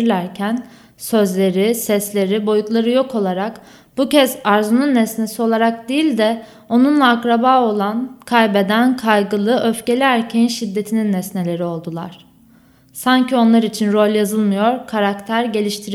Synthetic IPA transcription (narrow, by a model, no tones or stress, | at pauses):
ɾlʲæɾcʰæn | sø̞zlʲe̞ɾisɛslʲe̞ɾibo̞jut̪lˠaɾɯjo̞kʰo̞lˠaɾak | b̥ucɛzaɾzununːɛsne̞sio̞lˠaɾak̚d̪ejilʲd̪ɛ | o̞nunlˠaːkɾabaːo̞lˠankʰajbe̞d̪ænkʰajɡɯlˠɯʔøfce̞lʲiæɾcʰejinʃid̪ːe̞t̪ʰininːɛsne̞lʲe̞ɾio̞lˠd̪ulˠa̰ɾ̥ | saɲcʰio̞nlˠaɾit͡ʃʰinɾo̞lʲjazɯlˠmɯjo̞ɾkʰaɾakt̪ʰæɾɟe̞lʲiʃt̪ʰiɾ